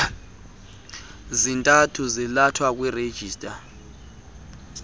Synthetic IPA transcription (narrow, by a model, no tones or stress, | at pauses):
zintʼatʰuzilatʰwak̬ʼwired̥ʒ̥ʱiːstʼa